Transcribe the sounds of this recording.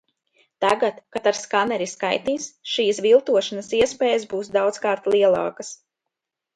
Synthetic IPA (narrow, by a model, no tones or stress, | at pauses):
t̪aɡat̪kat̪aɾskanɛɾiskajt̪iːsʃiːsvilˠt̪uɔʃanɐsiɛspɛːjəzbuːsd̪awd̪zkaːɾt̪lˠiɛlˠɑ̰ːkas